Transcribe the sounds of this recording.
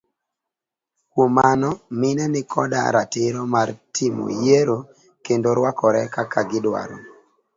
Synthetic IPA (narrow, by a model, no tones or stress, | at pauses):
kwomanɔmɪnɛnɪkʰɔ̰da̰ɾa̰tɪɾɔmartʰimo̰jeɾo | kendoɾwakɔɾɛkakaɡɪdwa̰ɾo̰